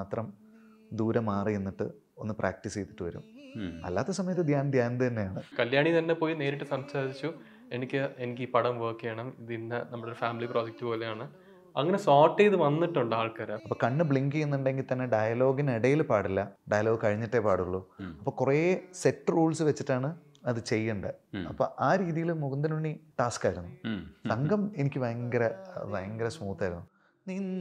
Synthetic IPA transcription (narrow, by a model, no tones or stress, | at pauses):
aːt̪rɐm | d̪uːɾɐmaːrienːiʈːɨ̰ | o̞nːɨprʔa̰ːk̚ʈisejt̪ːi̥ʈːɨʋɐɾṵmɐ̰lːa̰ːt̪ːɐsɐmɐjɐt̪ːɨd̪jaːnd̪ʱjaːnd̪t̪ɐnːe̞jaːɳɨkɐljaːɳit̪ɐnːe̞poːjine̞ːɾiʈːɨsɐmsaːɾit͡ɕːu | enikʲːɨenikʲːiːpɐɽɐmʋoːkːijɐɳɐmiðinːɐnɐmːɐɭoɾufaːmiliproːd͡ʑek̚tːɨpo̞ːlejaːɳɨ | ɐ̰ŋːɐnesoːʈːeiðɨʋɐnːiʈːuɳɖaːɭkɐːɾɐɐpːɐːkɐɳːɨbɭiŋɡienːuɳɖe̞ŋɡilt̪ɐnːe̞ɖɐjɐlo̞ːɡiniɽɐjilpaːɽilːɐɖɐjɐloːɡɨkɐɻiɲːiʈːepaːɽuɣɐɭːuɐpːoːkurese̞ʈːɨruːɭsɨʋet͡ɕːiʈːaːɳɨ | ɐðɨt͡ɕe̞jːuɳɖɨɐpːo̰ːʔaːɾiːðijilmuɡɐnd̪ɐnuɳːiʈaːskaːjiɾunːusɐŋɡɐme̞nikʲːɨʋɐjɐŋɡɐɾɐʋɐjɐŋɡɐɾɐsmuːt̪ːɐaːjɾunːu | niːn